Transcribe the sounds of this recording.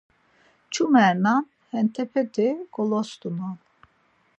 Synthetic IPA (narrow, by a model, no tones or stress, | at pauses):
t͡ʃʰumɛɾnɑn | hɛnt̪ʰɛpʰɛt̪ʰɛɡ̥ɔlɔst̪unan